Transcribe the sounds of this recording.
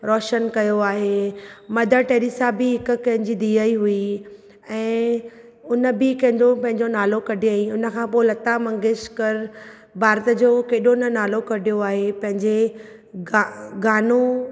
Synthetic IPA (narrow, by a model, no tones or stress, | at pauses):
ɾɔːʃənkɐjoaːɦemɐd̪ʱəʈeːɾiːsaːbɪɦɪkʊkɐ̃ɦɪ̃ɲd͡ʑid̪iːəiɦui | ɛ̃ː | ʊnəbɪkɐ̃ɦɪ̃ɲd͡ʑopɐ̃ɦɪ̃ɲd͡ʑonaːlokɐɖʱiaĩʊnə̆kʰãːpoːɪlɐt̪amɐ̃ŋɡɪʃkɐɾ | bʱaːɾt̪ə̆d͡ʑoːkeːɗoɪnənaːlokɐɖʱijoaːɦepɐ̃ɦɪ̃ɲd͡ʑe | ɡaɡaːno